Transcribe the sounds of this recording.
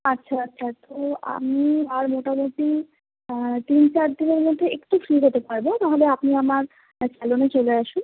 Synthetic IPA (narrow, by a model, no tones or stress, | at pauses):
atːɕʰaatːɕʰat̪oa̰miaɾmoʈamot̪i | t̪int͡ɕaɾd̪ineɾmod̪ʱːeekʈufɾiɦot̪epaɾbot̪aɦobeapniamaɾ | t͡ɕɛlonet͡ɕoleaʃun